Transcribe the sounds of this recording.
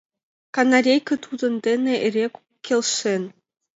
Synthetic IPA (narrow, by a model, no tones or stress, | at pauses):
kanaɾʲejkɤ̆t̪ʰud̪ɤ̆nd̪ʲenʲĕʔerʲek | kʲːelʲʂen